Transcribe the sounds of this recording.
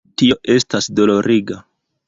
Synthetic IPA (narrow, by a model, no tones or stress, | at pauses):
tio̞ʔe̞stasdo̞lo̞ɾʔiɡa